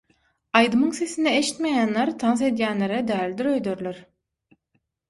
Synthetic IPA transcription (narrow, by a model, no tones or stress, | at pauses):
ɑjd̪ɯmɯŋse̞sinieʃi̥t̪mejæːnleɾt̪ʰɑnse̞d̪jæːnlʲeɾed̪æːlʲid̪iɾø̞jd̪øɾlʲøɾ